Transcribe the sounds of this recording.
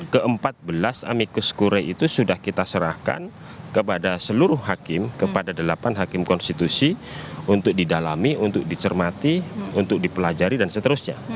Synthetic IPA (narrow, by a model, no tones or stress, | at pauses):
kəʔəmpat̪̚bəlasa̰mikuskuɾɛʔit̪usudahkit̪asəɾahka̰n | kəpadasəluɾʊhɦakɪmkəpadadəlapanɦakɪmkɔnst̪it̪usiunt̪ʊk̚didalamiunt̪ʊk̚dit͡ʃərmat̪iunt̪ʊk̚dipəlad͡ʒaɾidansət̪əɾʊsɲa̰